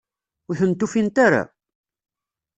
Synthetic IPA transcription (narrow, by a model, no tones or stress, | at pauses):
uθənt̪ːufint̪aɾa̰